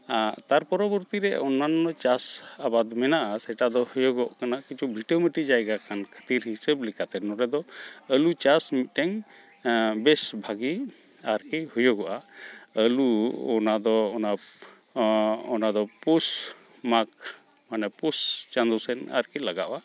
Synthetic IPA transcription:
at̪aɾpɔɾɔbɔɾt̪iɾɛɔnanɔt͡ʃasabad̪mɛnaʔasɛʈad̪ɔhujɔɡɔʔkanakit͡ʃʰubʱiʈəməʈid͡ʒajɡakankʰə̥t̪iɾɦisəblikat̪ɛnɔɾɛd̪ɔəlut͡ʃasmit̪̚ˀʈɛŋ | bɛsbʱaɡi | aɾkihujɔɡɔʔaəluɔ̰nad̪ɔːna | ɔnad̪ɔpus | mak̚ | manɛpust͡ʃand̪ɔsɛna̰ɾkilaɡaʔoʔa

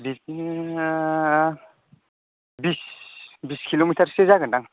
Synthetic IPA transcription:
bis | bisbiskʰilomitʰaɾsezaɡɯndaŋ

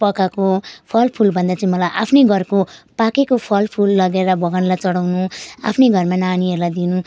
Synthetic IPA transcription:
pʌkakopʰʌlpʰulbʱʌnd̪at͡saĩmʌlajʔapʰnejɡʱʌrkopakekopʰʌlpʰulːʌɡeɾʌbʱʌɡʌnlajt͡sʌɽawnua̰pʰneɡʱʌrmananiɦeɾulajd̪inũ

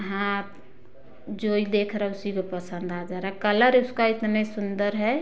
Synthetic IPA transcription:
ɦã | d͡ʒoid̪eːkʰɾɛɦɛʊsikepəsə̃nd̪ad͡ʒaɾakələɾʊskaɪt̪nesʊnd̪əɾɦɛ

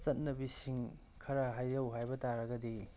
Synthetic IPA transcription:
t͡ʃɐt̚nɐbisiŋ | kʰɐɾɐɦajɾɐwɦajbɐtaɾɐɡɐdi

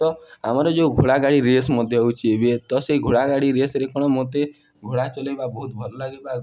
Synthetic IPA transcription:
t̪ɔamaɾɔd͡ʒoɡʱoɽaɡaɽiɾesmɔd̪ʱjɔɦowt͡ʃʰiebiet̪ɔseɡʱoɽaɡaɽiɾesɾekʰɔɽ̃ɔmot̪e | ɡʱoɽat͡ʃɔlebabɔɦut̪̚bʱɔɾɔlaɡeba

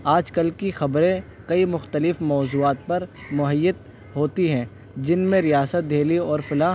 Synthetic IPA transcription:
aːd͡ʒkəlkixɐbɾẽ | kɐimʊxt̪əlɪfmɔːzuːaːt̪̚pɐɾmʊɦəjːət̪̚ | ɦoːt̪iɦɛ̃ː | d͡ʒɪnmẽɾijaːsət̪̚d̪ʱeːliɔːɾfɪlaːɦ

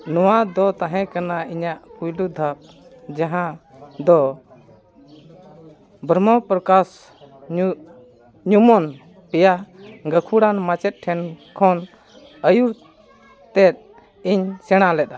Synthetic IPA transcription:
nɔwad̪ɔt̪ãɦɛ̃kanaiɲaʔpujlud̪ʱap̚ | d͡ʒaɦãd̪ɔ | bʱɾmɔpɾəkas | ɲumɔn | pɛjaɡəkʰuɽanmat͡ʃɛt̪̚ʈʰɛnkʰɔn | əjuɾ | t̪ɛt̪̚ | iɲsɛɽ̃alɛɗ̪a

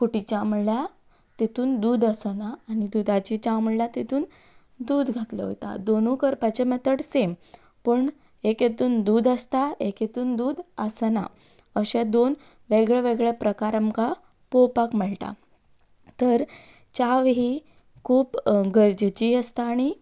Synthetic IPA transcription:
kuʈit͡ɕamuɭlja | t̪et̪uːnd̪uːd̪əsənaːɽ̃id̪ud̪at͡ɕit͡ɕaməɭljat̪it̪uːn | d̪uːd̪ɡʱat̪lə̰ɦo̰t̪a̰d̪onukəɾpat͡ɕemɛt̪əɽsem | pəɳ | eket̪uːnd̪uːd̪əst̪aeket̪uːnd̪uːd̪əsəna̰ | əɕẽd̪on | ʋeɡɭeʋeɡɭepɾəkaɾəmka | powpakməɭʈa̰ | t̪əɾ | t͡ɕaʋɦi | kʰuːpɡəɾd͡ʑt͡ɕiəst̪aːɽ̃i

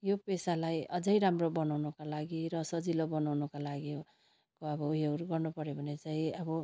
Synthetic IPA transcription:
jopesalajʌd͡zʌjɾamrobʌnawnʌkalaɡiɾʌsʌd͡zilobʌnawnʌkalaɡio | koʌbʌɦewrɡʌrnupʌɾjobʱʌnet͡saĩʌbʌ

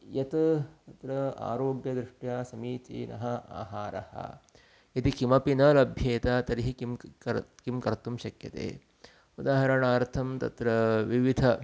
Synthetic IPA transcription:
jɐt̪tt̪ɐt̪ɾɐa̰ːɾoːɡjɐd̪ɾiʂʈjaːsɐmiːt̪ḭːnʔɐ̰ɦɐa̰ːɦaːɾɐ̰hɐ̰ | jɐt̪ikimɐpinɐlɐbʱjeːt̪aːt̪ɐɾiɦikimkɐkimkɐɾt̪umʃɐkjɐt̪ḛː | ud̪aːɦɐɾɐɳaːɾt̪ʰɐmt̪ɐ̰t̪ɾɐʋiʋid̪ʱɐ

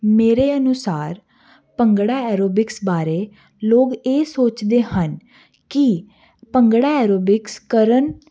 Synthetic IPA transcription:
meːɾeːənʊsaːɾ | pəŋɡɽaːɛːɾoːbɪksbaːɾeː | loːɡeːsoːt͡ʃd̪eːhən | kɪ | pəŋɡɽaːɛːɾoːbɪkskəɾən

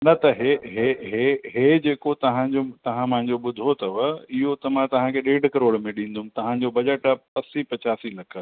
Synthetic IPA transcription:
nɐt̪ɐɦeɦeɦeɦed͡ʑeːkot̪ɐʋãd͡ʑot̪ɐʋ̤ãmɐ̃ɦɪ̃ɲd͡ʑoɓʊd̪ʱot̪ʰɐʋɪɦot̪ɐmãt̪ɐʋ̤ãkʰeɗeːɖ̤ʱkɐɾoːɽmẽɗĩːn̆d̪ʱʊmt̪ɐʋ̤ãɲd͡ʑobɐd͡ʑəʈpɐsipɐt͡ɕaːsilɐkʰə̆

